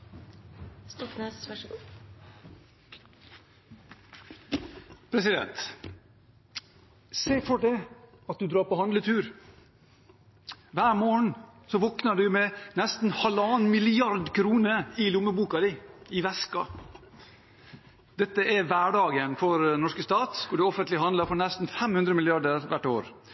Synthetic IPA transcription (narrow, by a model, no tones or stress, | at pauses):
st̪ɔknes | pʰɾɛsɪd̪ɛ̰nt̪ | seːfɔɖɛ | ɑt̪̚d̪ʉd̪ɾɑːɾpɔhɑnd̪lət̪ʰʉːɾ | ʋæːɾmoːəɳsɔʋɔknəɖʉmɛnɛst̪n̩hɑlɑːnmɪlɪɑɾd̪kʰɾuːnəɪlʊməbuːkɑd̪ɪɪʋɛskɑ̰ | d̪̥ɛt̪ːəʔæʋæːɖɑːɡənfɔɾnɔʂkəst̪ɑːt̪kʰʊɖɛɔfənt̪lɪɦɑnd̪əɾfɔɾnɛst̪n̩fɛmhʉnd̪ɾəmɪlɪɑɖəɾʋæʈːoːɾ